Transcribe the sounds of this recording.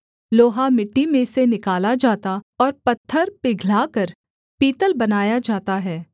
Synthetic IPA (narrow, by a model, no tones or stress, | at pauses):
loːɦamɪʈːimẽsenɪkaːlad͡ʒaːt̪aɔːɾpɐt̪ʰːəɾpeɡʱlaːkəɾ | piːt̪əlbɐnaːjad͡ʒaːt̪aɦɛː